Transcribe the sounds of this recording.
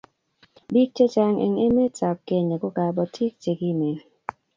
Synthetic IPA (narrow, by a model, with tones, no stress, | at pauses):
bi˦k̚t͡ʃe˦t͡ʃa˦ŋʔḛ˨ŋe˦me˦t͡sa˨k̚ke˨ɲe˨kʊ˦ka˨bɔ˨tʰi˦k̚t͡ʃe˨ɡi˦me˨n